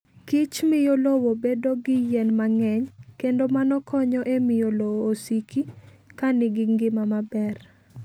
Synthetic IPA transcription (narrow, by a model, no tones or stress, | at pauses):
kɪt͡ʃmɪjolowobedoɡɪjɛnmaŋɛɲkendomanɔkʰɔɲɔʔemɪjolowːsikikanɪɡɪŋɡɪmamabɛr